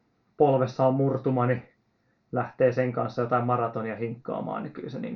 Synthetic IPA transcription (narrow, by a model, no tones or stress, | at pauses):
polʋesːɑommurt̪umɑni | læht̪eːseŋkɑnsːɑjot̪ɑimmɑrɑt̪oniɑhiŋkːɑ̰ːmɑ̰ːniky̰ˑsenḭːŋ